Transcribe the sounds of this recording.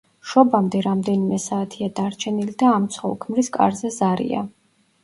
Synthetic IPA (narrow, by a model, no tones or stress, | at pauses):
ʃɔbamd̪ɛɾamd̪ɛnimɛsaːt̪ʰiad̪aɾt͡ʃʰɛnilid̪aːmt̪sʰχɔ̰lˠkʰmɾiskʼa̰ɾzɛzaɾḭa̰